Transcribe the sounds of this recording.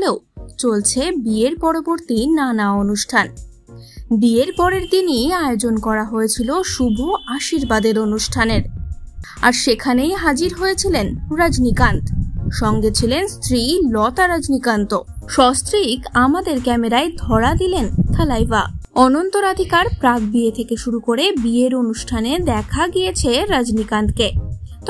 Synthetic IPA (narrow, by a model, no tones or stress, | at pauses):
leot͡ɕolt͡ɕʰebieɾpɔɾoboɾt̪inanaonuʃʈʰan | bieɾpɔɾeɾt̪iniaeod͡ʑonkɔɾaɦojet͡ɕʰiloʃubʱuaʃiɾbad̪eɾonuʃʈʰaneɾ | aɾʃekʰanejɦad͡ʑiɾɦojet͡ɕʰilenɾad͡ʑnikant̪ʃɔŋɡet͡ɕʰilenst̪ɾilɔt̪aɾad͡ʑnikant̪oʃɔst̪ɾikamad̪eɾkɛmeɾaed̪ʱɔɾad̪ilent̪ʰəlajbaɔnont̪oɾad̪ʱikaɾpɾakbiet̪ʰekeʃuɾukoɾebieɾonuʃʈʰaned̪ɛkʰaɡijet͡ɕʰeɾad͡ʑnikant̪ket̪